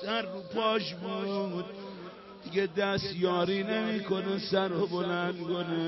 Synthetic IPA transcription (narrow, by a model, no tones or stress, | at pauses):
sæɾːupʰɒːʃbud̪ | d̪iɡed̪æst̪jɒːɾiːnemiːkʰo̞nesæɾobolænd̪kone